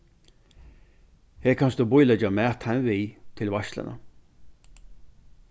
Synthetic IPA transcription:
heːɾkʰɑnst̪oːbɔʏləd͡ʒəmæːt̪hænʋɪːt̪ʰɪlʋɑʃlə̰nə̰

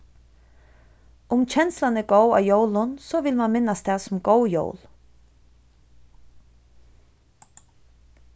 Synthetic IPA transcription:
ʊmt͡ɕʰɛnslanɛɡoːwa̰ːwjowlʊnsɔʋɪlmanmɪnːast̪ʰɛasʊmɡowjo̰wl

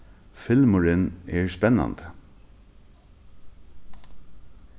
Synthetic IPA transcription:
fɪlmʊɹɪnɛːɹspɛnɑ̰nd̪

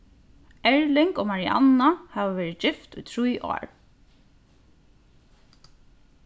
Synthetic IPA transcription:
ɛɹlɪŋkoːmaɹɪa̰nahɑʋaʋɛːɹɪt̪̚d͡ʒɪft̪ṵjt̪ʰɹujʔo̰ːɹ

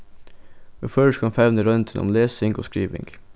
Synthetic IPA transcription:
ɛføʃkʰɑnfæʋnəɾœnt̪ʰənɔ̰mleːsɪŋɡo̰ːskɾiːʋɪ̰ŋɡ

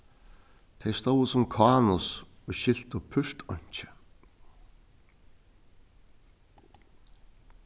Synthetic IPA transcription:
t̪ʰejst̪owɪsʊmkʰaːnʊsɔɣɕɪl̥t̪ʊpʰʏr̥t̪ɔɲ̥t͡ɕɪ̥

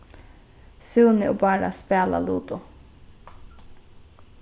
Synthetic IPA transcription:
sʉːnɪʔoːbɑːɾa̰speːla̰luːt̪ʊ

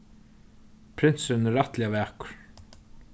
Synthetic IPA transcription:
pʰɾɪnsɪnɪɾaht̪lɪavæːkʊ̥ɾ̥

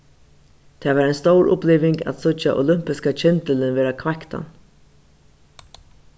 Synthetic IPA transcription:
t̪ʰɛːʋaːɾɛjnst̪owɾʔʊ̰pliːʋɪŋka̰t̪sʊt͡ʃaʔʊ̰lʏm̥pɪskat͡ʃʰɛnt̪əlɪnʋeːɾakʰvakt̪a̰n

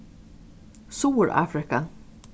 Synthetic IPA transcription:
suːɾa̰ːfɾɪka

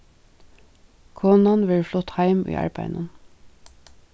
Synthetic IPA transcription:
kʰoːnɑnʋɪɹflʊt̪hɑɪmʔy̰ːʔɑ̰ɹbæɪnə̰n

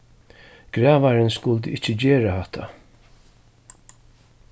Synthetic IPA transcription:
ɡ̥ɾaːvaɾɪnskʊlt̪əɪt͡ʃːəd͡ʑeːɾahɛht̪ʰa̰

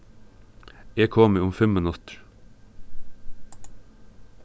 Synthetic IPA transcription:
eːkʰoːməʊmfɛmənʊt̪ɾ

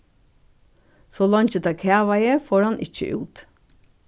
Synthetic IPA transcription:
sɔːlɔɲt͡ʃət̪ʰɑːkʰæːʋaɪəfoːɹhɑnʔɪ̰c͡çə̰ʔʉ̰ːt̪

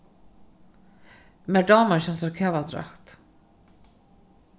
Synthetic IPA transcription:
mɛɖɑːməɕɛnsəɾkʰɛvad̪ɾa̰kt̪

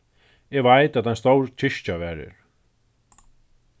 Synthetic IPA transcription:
ɛɣvajt̪aðhanst̪owɾt͡ɕʰɪʃt͡ɕavɛɾɪ̰ɾ̥

